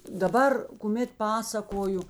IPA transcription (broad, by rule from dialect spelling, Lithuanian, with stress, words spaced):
dɐˈbɐr kʊˈmʲeːt ˈpɑːsɐkoːjʊ